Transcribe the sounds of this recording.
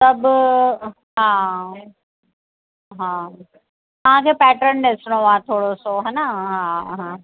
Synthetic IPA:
sɐb | ɦãː | ɦã | t̪ɐʋ̤ãkʰeːpɛːʈɾənɗɪsɽ̃oaet̪ʰoːɽosoɦɛːnəɦaɦã

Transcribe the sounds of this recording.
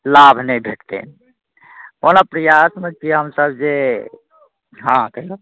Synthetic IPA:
labʱnəibʱeʈt̪ḛn | onapɾəjasmẽkiɦəmsəbd͡ʒe | ɦãt̪əlo

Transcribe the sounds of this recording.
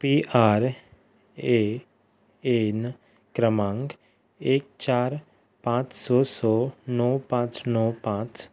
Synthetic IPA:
piːʔaːɾ | e | en | kɾəmãːŋɡ | eːk̚t͡ʃaːɾ | pãːt͡ʃsɔːsɔːnɔːpãːt͡ʃnɔːpãːt͡ʃ

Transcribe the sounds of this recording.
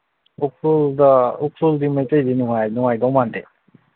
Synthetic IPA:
ukʰɾuldaukʰɾuldimajtejdinuŋajnuŋajdɔwmande

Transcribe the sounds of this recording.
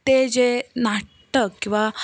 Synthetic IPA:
t̪ed͡zena | ʈəkːĩw̃ʋa

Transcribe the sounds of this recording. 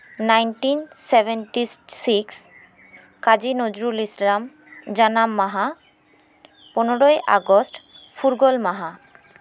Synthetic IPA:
najnʈinsebʱeɳʈissiks | kad͡ʑinod͡ʑɾulislam | d͡ʑanamːaɦa | pɔnoɾojʔa̰ɡosʈ | fʰuɾɡolmaɦa

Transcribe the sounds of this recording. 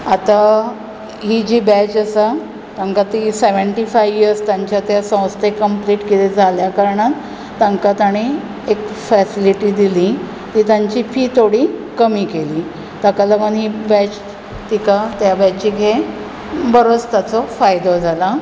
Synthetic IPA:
at̪a | ɦid͡ʑiːbɛt͡ɕəsa | t̪ãŋkat̪iseʋəɳʈifajʋiəɾst̪jaɲt͡ɕjat̪jasə̃wst̪ekəmpliːʈkit̪ed͡zʱaljakaɾɳat̪ː | ãŋkat̪aɽ̃i | ekfɛsiliʈiːd̪ili | t̪iːt̪aɲt͡ɕiːfiːt̪ʰoɽiːkəmiːkeliː | t̪əkaləmənɦibɛt͡ɕ | t̪ikat̪jabɛt͡ɕiɡʱe | bəɾot͡st̪at͡sɔfajd̪od͡zʱala

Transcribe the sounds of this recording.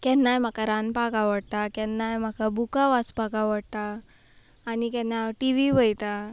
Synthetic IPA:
kɛnːajm̤akaɾanpakaʋəɽt̪akɛnːajm̤akabukaʋaspakaʋəɽt̪aː | nikɛnːaʈiʋiʋəjt̪a

